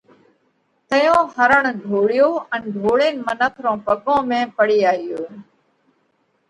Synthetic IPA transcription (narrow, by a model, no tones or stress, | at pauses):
t̪əjõːhəɾəɳ̃ɖʱoːɽɪjoːʔɛ̃nɖʱoːɭɪːnmənəkʰɾõːpəɠõːmẽːpəɽiːaːɪjoː